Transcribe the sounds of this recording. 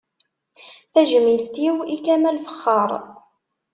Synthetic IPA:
θæʒmilt̪iwikæmælfə̥χːɑɾˤ

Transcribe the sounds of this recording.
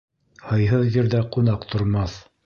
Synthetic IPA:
hɤ̆jɦɤðjĭɾðæqunɑqt̪ʰŏɾmɑθ

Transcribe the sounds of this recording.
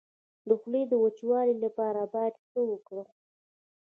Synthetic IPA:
d̪əxled̪əwat͡ʃwɑlilapɑɾabɑjad̪xəwəkɽə

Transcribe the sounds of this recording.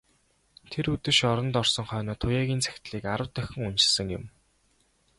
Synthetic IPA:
t̪ʰeɾut̪ɘ̆ʃɔɾɞ̆nt̪ɔrsɞ̆ŋχœːnɔːt̪ʰʊjaːɣʲiːnt͡sʰæ̥xʲt̪ɮiːkaɾə̆wt̪œxʲɪ̆ŋun̥t͡ɕɪ̥̆sɘ̆ŋjʊ̰̆m

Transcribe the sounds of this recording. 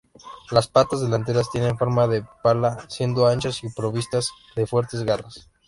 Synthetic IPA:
laspat̪azðe̞lant̪̬e̞ɾast̪je̞ne̞ɱfo̞ɾmaðe̞palasje̞nd̪oant͡ʃasipɾo̞βist̪az | ðe̞fwe̞ɾt̪e̞zɣaras

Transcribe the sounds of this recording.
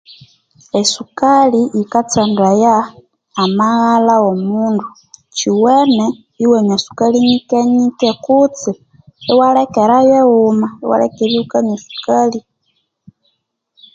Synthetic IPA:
esukaliʔːkat͡sandajaː | maɣalaomuːndu | t͡ʃiwene | iweɲasu̥kaliɲikeɲikekut͡si | ewalekeɾajeɣumaewa̰lḛkeɾiukaɲesu̥kali

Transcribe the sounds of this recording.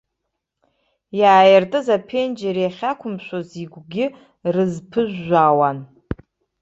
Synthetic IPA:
jaːjɪrtʼɨzapʰend͡ʒeɾjaχʲakʷʰʊmʃʷoziɡʷɡʲɪ | rɨzpʰɨʒᶣʷːawan

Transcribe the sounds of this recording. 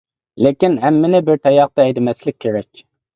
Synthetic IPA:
lekʲinɦɛmːɪnɪbɪɾt̪ʰɛjɑq̚t̪ɑɛjd̪ɪmɛslɪk̚ʲʰːeɾɛkʲ

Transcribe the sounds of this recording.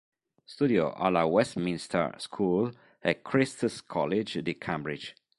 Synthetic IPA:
st̪udio̰ʔa̰lawɛstmĩnstʰə̰skʰul | əkʰɹistəskʰɔlɪd͡ʒdikʰãmbɹɪd͡ʒ

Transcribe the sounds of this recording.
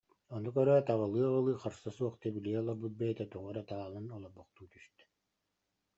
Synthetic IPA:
ɔnukœɾœt̪aʁalˠɯːʁɯlˠɯːχaɾsasuɔχt̪ɛbiliɛɔlˠɔɾbut̪̚bɛjɛt̪ɛt̪uʁɔɾɛt̪aːlˠɯnɔlˠɔbɔqt̪uːt̪yst̪ɛ̥

